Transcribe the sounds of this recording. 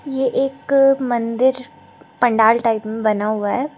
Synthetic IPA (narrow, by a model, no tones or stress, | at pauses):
jeʔeːkmɐ̃nd̪ɪɾ | pɐ̃ɳɖaːlʈaːɪpmẽbɐnaɦuaɦɛː